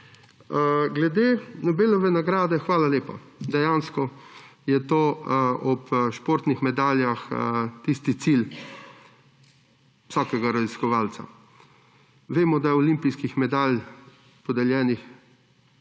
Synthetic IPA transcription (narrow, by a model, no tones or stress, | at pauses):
ɡlɛd̪eːnɔbeːlɔʋɛnaɡɾaːd̪ɛxʋaːlaleːpa̰ | d̪ɛjaːnskɔ | jɛt̪oːɔpʃpoːɾt̪nixmɛd̪aːljaxt̪ist̪it̪sil | ʋisɔːkɛɡaɾaziskɔʋaːlt̪sa̰ | ʋeːmɔd̪ajɛɔlimpijskixmɛd̪aːlj | pɔd̪aljɛːnix